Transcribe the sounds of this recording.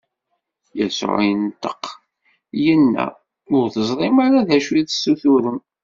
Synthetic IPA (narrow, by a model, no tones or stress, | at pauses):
jæsʊ̰ʕijənt̪ə̥q | jənːæ̰ | ʊɾθəzˤɾˤɪmaɾaðæʃwiðsuθuɾən